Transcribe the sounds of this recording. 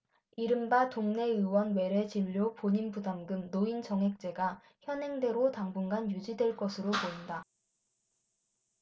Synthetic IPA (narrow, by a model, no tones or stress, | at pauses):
iɾɯmbatoŋne̞ɯwʌnwe̞ɾe̞t͡ɕiʎːopoɲinbudamɡɯmnoint͡ɕʌŋɦe̞k̚t͡ɕ͈e̞ɡa | çjʌnɦe̞ŋdwe̞ɾotaŋbunɡanjud͡ʑidwe̞ɭk͈ʌsʰɯɾopoinda